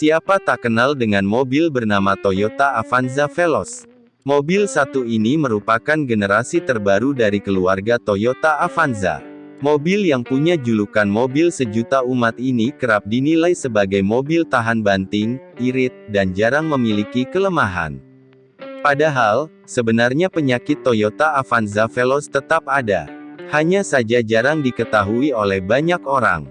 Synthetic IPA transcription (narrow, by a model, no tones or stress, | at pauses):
siapat̪akənaldəŋanmobilbərnamat̪ojot̪aːfanzafelɔs | mobɪlsat̪uiniməɾupakanɡənəɾasit̪ərbaɾudaɾikəluarɡat̪ojot̪aːfanza̰ | mobiljaŋpuɲad͡ʒulukanmobilsəd͡ʒut̪aumat̪inikəɾap̚dinilajsəbaɡajmobilt̪aɦanbant̪ɪŋiɾɪt̪̚dand͡ʒaɾaŋməmilikikələmaɦa̰n | padaɦal | səbənarɲapəɲakɪt̪ːojot̪aːfanzafelɔst̪ət̪ap̚ada̰haɲasad͡ʒad͡ʒaɾaŋdikət̪aɦuiolɛhbaɲakoɾa̰ŋ